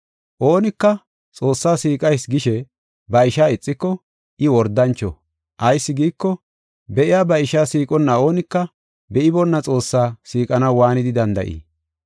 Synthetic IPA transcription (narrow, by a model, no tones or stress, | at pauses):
ʔo̞ːnɪkːɐ | t͡sʼo̞ːsːaːsiːkʼɐjsɡɪʃɛ | bɐɪʃaːɪt͡sʼːɪkːɔ | ʔɪwɔɾd̪ɐnt͡ʃːɔ | ʔɐjsːɪɡiːkːɔ | bɛʔɪjaːbɐɪʃaːsiːkʼɔnːɐo̞ːnɪkːɐ | bɛʔɪbɔnːɐt͡sʼo̞ːsːaːsiːkʼɐnɐwwaːnɪd̪ɪd̪ɐnd̪ɐ̰ʔḭː